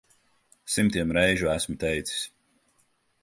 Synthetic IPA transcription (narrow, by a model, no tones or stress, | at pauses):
simt̪iɛmɾɛjʒuæsmut̪ɛjt̪si̥sʲ